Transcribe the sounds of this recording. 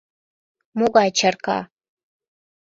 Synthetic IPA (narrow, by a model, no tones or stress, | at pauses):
muɡaːt͡ʃʰarkʰa̰